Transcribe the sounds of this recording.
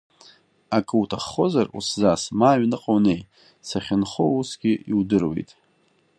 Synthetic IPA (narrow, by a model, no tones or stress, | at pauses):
akʼɨutʰaχːo̞zarṵszasmaːɥnɨqʼownej | saχʲɪnχo̰usɡʲɪiwdɨrwḛjtʼ